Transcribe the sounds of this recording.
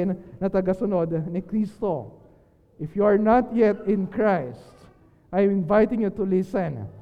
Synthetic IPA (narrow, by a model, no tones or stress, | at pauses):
nnɐt̪ɐɡɐsʊnod̪nɪkɾist̪o | ʔɪfjuaɹnat̪jɛt̪ɪ̃nkɹajst̪ | ʔajmɪ̃nvajt̪ɪ̃ŋjut̪ʊlɪsɛ̃n